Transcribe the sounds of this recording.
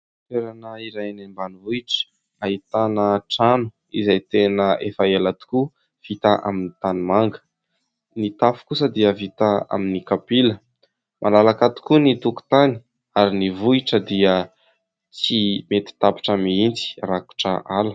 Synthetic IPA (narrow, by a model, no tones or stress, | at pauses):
t̪eɾanəiɾajnembanivuiʈ͡ʂə̥ | aɦit̪anəʈ͡ʂanu̥ | izajt̪enəʔefaelat̪u̥ku | v̥it̪aʔa̰minit̪animaŋɡə̥ | nit̪afu̥kusəd̪iəvit̪aa̰minikapilə | mʔalalakat̪u̥kunit̪uku̥t̪ani̥ | aɾinivuiʈ͡ʂəd̪iə | t͡simet̪i̥t̪api̥ʈ͡ʂamiint͡si̥raku̥ʈ͡ʂəʔalə